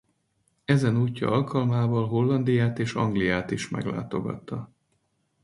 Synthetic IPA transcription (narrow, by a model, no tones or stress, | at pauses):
ɛzɛnuːcːɒ̰ʔɒlkɒlmaːvɒlɦo̞lːɒnd̪ijaːt̪eːʃɒ̰ŋɡlijaːt̪iʃmɛ̰ɡla̰ːt̪o̞̰ɡɒ̰t̪ːɒ